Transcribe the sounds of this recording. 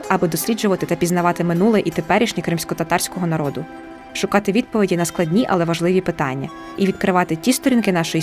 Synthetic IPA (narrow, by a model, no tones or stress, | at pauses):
ɐbɪd̪ɔsʲlʲid͡ʒʊʋɐt̪ɪt̪ɐpʲiznɐʋɑt̪ɪmɪnulˠɛʔit̪epɛɾʲiʃnʲikɾɪmsʲkɔt̪ɐt̪ɑrsʲkɔɦɔnɐɾɔd̪ʊ | ʃʊkɑt̪ɪʋʲid̪̚pɔʋʲidʲinɐsklˠɐdʲnʲiʔɐ̰lˠɛʋɐʒlˠɪʋʲipɪt̪ɑ̰nʲːɐ̰ | iʋʲid̪kɾɪʋɑt̪ɪtʲist̪ɔɾʲinkɪnɑʃɔji